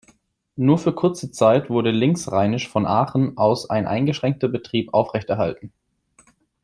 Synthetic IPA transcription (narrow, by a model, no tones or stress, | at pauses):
nuːɐfyːɐkʰʊɐt͡sət͡saɪtv̥ʊɐɾəlɪŋsʁaɪnɪʃfɔnʔaːχn̩ʔaʊsa̰ɪnʔa̰ɪnɡəʃʁ̥ɛŋk̚tɐbətʁ̥iːpʔaʊfʁ̥ɛçtɛɐɦa̰ltn̩